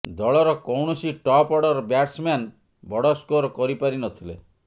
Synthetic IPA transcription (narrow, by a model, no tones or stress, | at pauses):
d̪ɔɭɔɾɔkɔwɳɔsiʈɔpɔɽɔɾɔbjaʈsman | bɔɽɔskoɾɔkɔɾipaɾinɔt̪ʰilḛ